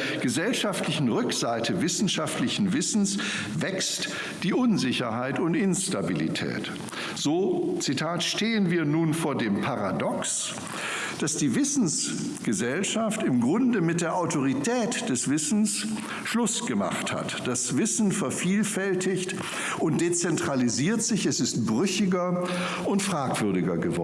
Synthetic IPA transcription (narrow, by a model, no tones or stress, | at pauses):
ɡ̥əzɛlʃaftʰlɪçn̩ʁʏkz̥aɪtʰəvɪsn̩ʃaftlɪçn̩vɪsn̩s | vɛkst | d̥iːʔʊnzɪçɐɦaɪtʊntʔɪnstabilḭtʰɛ̰ːt | z̥oːt͡sitʰaːtʃteːənviːɐnuːnfoːɐdeːmpʰaʁa̰dɔks | d̥asd̥iːvɪsn̩s | ɡ̥əzɛlʃaftɪmɡʁʊndəmɪt̚d̥eːɐʔaʊtʰoʁ̞itʰɛːtd̥ɛsv̥ɪsn̩s | ʃlʊsɡ̥əma̰χtha̰td̥asv̥ɪsn̩fɛɐfiːlfɛltʰɪçt | ʊnt̚d̥et͡sɛntʁ̥aliziːɐtz̥ɪçɛsɪst̚b̥ʁʏçɪɡɐ | ʊntfʁ̥aːkv̥ʏɐdɪɡɐɡəvɔ̰